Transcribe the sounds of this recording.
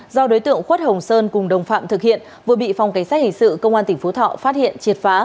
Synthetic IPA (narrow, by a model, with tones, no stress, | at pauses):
zɔ˧ɗo˨˦jt̪ɨ̰˧˨əŋxwə˦˥t̚hə˨˩wŋ͡msəː˧nkʊ˨˩ŋ͡mɗə˨˩wŋ͡mfa̰ː˧˨mt̪ʰɨ˨k̚hḭ˧˨ən | vɨ˨˩əɓḭ˧˨fa˨˩wŋ͡mka˨˦jsaː˦˥t̚hï˨˩ŋ̟sɨ̰˧˨kə˧wŋ͡mʔaː˧nt̪ï˧˩ŋ̟fo˨˦t̪ʰɔ̰ː˧˨faː˦˥t̚hḭ˧˨ənt͡ɕi˨˩t̚faː˨˦